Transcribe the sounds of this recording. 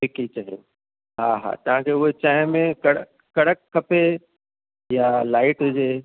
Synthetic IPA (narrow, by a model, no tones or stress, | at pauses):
ʈɪkit͡ɕaːɦio | ɦaɦa̰t̪ɐʋ̤ãkʰeʊɦet͡ɕaːɦɪmẽkɐɽəː | ɐɽəkʰːɐpe | jalaːɪʈd͡ʑeː